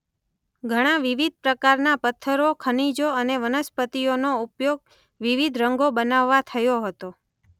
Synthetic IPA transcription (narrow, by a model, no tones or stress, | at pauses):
ɡʱəɽ̃aʋiʋid̪̚ʱpɾəkaɾnapət̪ʰːəɾokʰənid͡ʒoəneʋənəspət̪ionoupjoɡ̚ | ʋiʋid̪ʱɾəŋɡobənaʋːat̪ʰəjoɦət̪o